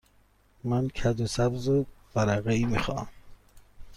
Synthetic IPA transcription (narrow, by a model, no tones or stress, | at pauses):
mæncʰæd̪osæbzob̥æɾæɣeiːmixɒ̰ːm